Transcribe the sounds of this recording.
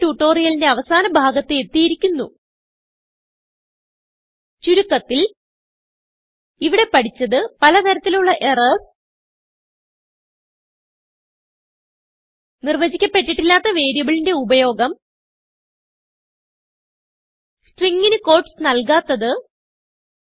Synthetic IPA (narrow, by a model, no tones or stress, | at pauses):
ʈuʈːo̞ːrijɐlinde̞ɐʋɐsaːnɐbʱaːɡɐt̪ːɨet̪ːijiɾikʲːunːu | t͡ɕuɾukːɐt̪ːil | iʋiɽe̞pɐʈʰit͡ɕːɐðɨpɐlɐt̪ɐɾɐt̪ːiluɭːɐʔe̞rɐ | nirʋɐd͡ʑikʲːɐpːe̞ʈːiʈːilːaːt̪ːɐʋe̞ːɾjɐʋiɭinde̞ubɐjo̞ːɡɐm | sʈriŋɡinɨko̞ːrʈsnɐlkaːt̪ːɐðɨ